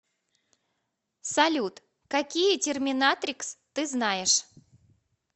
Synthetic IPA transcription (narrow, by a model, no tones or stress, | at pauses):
sɐlʲut̪ | kɐkʲijətʲɪrmʲɪnat̪ɾʲɪkst̪ɨznajɪʂ